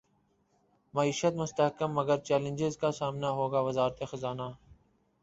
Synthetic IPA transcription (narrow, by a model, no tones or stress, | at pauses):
mɐiːʃət̪mʊst̪əɦkəmːəɡəɾt͡ʃɛːlə̃nd͡ʒɪzkasaːmnaɦoːɡaːʋəzaːɾt̪exɐzaːnaː